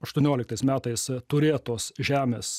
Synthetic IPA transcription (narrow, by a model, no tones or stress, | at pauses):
ɐʃt̪uɔnʲoːlʲɪkt̪ɐɪsmʲæːt̪ɐɪst̪ʊɾʲeːt̪oːsʒʲæːmʲeːs